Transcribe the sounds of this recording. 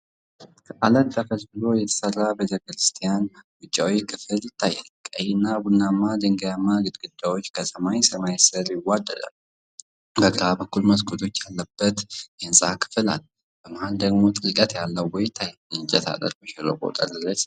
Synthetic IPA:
kʰəʔalət̪ləfəzbɨlo̞jɛt̪ʰə̥sərːabet̪ʰəkɾɨst̪ʰijanwʊt͡ʃʼːawijkʰɨfɨlt̪ʰajːɛlkʼəjɪnːabunːamːad̪ɨŋɡjamːaɡɨd̪ɡɨd̪ːawo̞t͡ʃːkʰəsəmajsəmajsɨɾjɪwad̪ːəd̪a̰l | bəɡɨɾabəkːulməskʰut̪ʰo̞t͡ʃːjalːəbːət̪jɛnsʼakʰɨ̥fɨla̰l | b̥əmahald̪əɡmo̞t̪ʼɨkʼət̪jalːəwːɔjt̪ʰaj | ɨnd͡ʒʼɛt̪ʰa̰lə̰ɾbəʃɛlo̰kʼo̰t̪ʼɐ̰lɨlːəs

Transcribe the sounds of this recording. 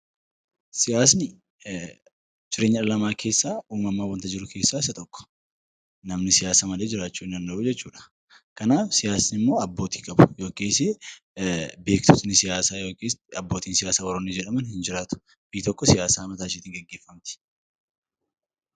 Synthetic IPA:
sɪjaːsnɪ | d͡ʒɪɾeːɲːɐᶑɐlɐmaːkʰe̞ːsːaːuːmɐmːaːwɐnt̪ɐd͡ʒɪɾʊke̞ːsːaːɪsɐt̪ɔkːɔ̥ | nɐmnɪsɪjaːsamɐleːd͡ʒɪɾaːt͡ʃːuːɪnɐnːɐʔuːd͡ʒɛt͡ʃːuːᶑɐ̥ | kɐnaːfsɪjaːsnɪmːo̞ːɐbːo̞ːt̪iːkʼɐbʊjo̞ːkʼeːse | be̞ːkt̪ɔt̪nɪsɪjaːsaːjo̞ːkeːsɐbːo̞ːt̪iːnsɪjaːsaːwɔɾɔnid͡ʒɛᶑɐmɐnhɪnd͡ʒɪɾaːt̪ʊ̥ | b̥iːt̪ɔkːɔsɪjaːsaːmɐt̪aːʃɪːt̪ɪːŋɡɛɡːeːfːɐmt̪ɪ̥

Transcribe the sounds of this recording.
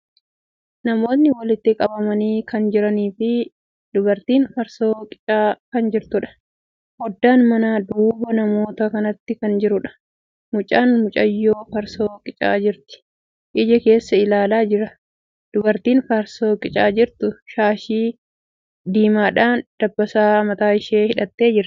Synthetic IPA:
nɐmo̞ːt̪nːɪwɐlɪt̪ːɪkʼɐbɐmɐniːkɐnd͡ʒɪɾɐniːfɪ | d̪̥ʊbɐɾt̪iːnfɐɾso̞ːkʼɪ̥t͡ʃʼaːkɐnd͡ʒɪɾt̪ʊᶑɐ̥ | hɔd̪ːaːnmɐnaːd̪uːbɐnɐmo̞ːt̪ɐkɐnɐt̪ːɪkɐnd͡ʒɪɾʊᶑɐ̥ | mʊt͡ʃʼaːnmʊt͡ʃʼɐjːoːfɐɾsoːkʼɪt͡ʃʼa̰ːd͡ʒɪɾt̪ɪ̥ | ʔɪd͡ʒɛke̞ːsːɐɪlaːlaːd͡ʒɪɾɐ | d̪̥ʊbɐɾt̪iːnfɐɾso̞ːkʼɪt͡ʃʼaːd͡ʒɪɾt̪ʊʃaːʃiː | d̪iːmaːᶑaːnd̪̥ɐbːɐsaːmɐt̪aːɪʃeːhɪᶑɐt̪ːe̞ːd͡ʒɪɾ

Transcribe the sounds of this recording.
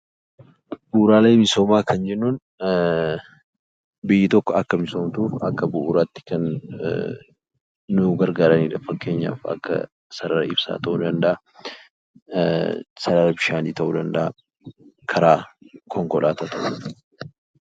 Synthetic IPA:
buɾaːleːmɪso̞ːmaːkʰɐnd͡ʒɛnːuːn | bɪjːɪt̪ɔkːɔɐkːɐmɪsoːmt̪uːfɐkːɐbʊʔuɾaːt̪ːɪ̥kɐn | ʊɡɐɾɡaːɾɐniːᶑɐfɐkːe̞ːɲːa̰ːfɐ̰kːɐ̰ | sɐɾɐɾɐɪb̥sa̰ːt̪ɐʔuːd̪ɐnd̪ɐʔa | sɐɾɐɾɐbɪʃaːniːt̪ɐʔuːd̪ɐnd̪ɐʔa | kʰɐɾaːkʰɔŋkɔlʔaːt̪at̪ɐʔuː

